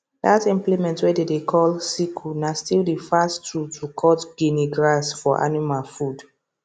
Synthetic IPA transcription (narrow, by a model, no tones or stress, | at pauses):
datĩmplimɛ̃ntwɛdedekʰɔlsikʰunastildifastutʰukʰɔtɡ̥iniɡɹasfɔʔa̰nimalfud